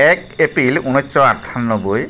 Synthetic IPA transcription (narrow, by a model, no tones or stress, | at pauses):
ɛkepɾilunɔsɔatʰanːɔboj